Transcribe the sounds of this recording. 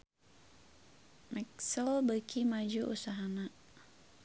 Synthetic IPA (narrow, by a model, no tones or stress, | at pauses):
mɛksəlbəkʰimad͡ʒuʔṵsaɦana